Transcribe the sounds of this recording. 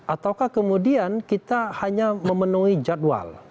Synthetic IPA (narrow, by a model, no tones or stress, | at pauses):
ʔat̪awkahkəmudiankit̪ahaɲaməmənuid͡ʒadwa̰l